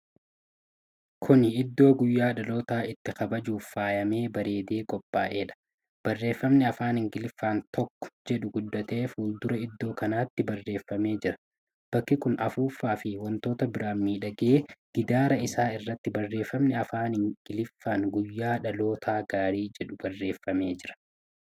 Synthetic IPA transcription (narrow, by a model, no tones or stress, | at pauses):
kʰʊnɪd̪ːo̞ːɡʊjːaːᶑɐlo̞ːt̪aːɪt̪ːɪxɐbɐd͡ʒuːfːaːjɐme̞ːbɐɾe̞ːd̪e̞ːkʼɔpʼːa̰ːʔe̞ːᶑɐ̥ | b̥ɐrːe̞ːfːɐmnɛɐfaːnhɪŋɡɪlɪfːaːnt̪ʰɔkːɔ̥d͡ʒɛᶑʊɡʊd̪ːɐt̪e̞ːfuːld̪ʊɾɐɪd̪ːo̞ːkɐnaːt̪ːɪbɐrːe̞ːfːɐme̞ːd͡ʒɪɾɐ̥ | b̥ɐkːɪkʊnɐfuːfːaːfɪwɔnt̪o̞ːt̪ɐbɪɾaːmːiːᶑɐɡe̞ːɡ̥ɪd̪aːɾɐɪsaːɪrːɐt̪ːɪbɐrːe̞ːfːɐmnɛɐfaːnhɪŋɡɪlɪfːaːŋɡʊjːaːᶑɐlo̞ːt̪ʰaːɡaːɾiːd͡ʒɛᶑʊbɐrːe̞ːfːɐme̞ːd͡ʒɪɾɐ̥